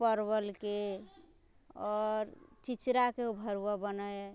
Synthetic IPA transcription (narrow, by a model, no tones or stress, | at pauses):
pəɾbəlke | ɔɾt͡ʃit͡ʃɾakeubʱəɾuwabənəe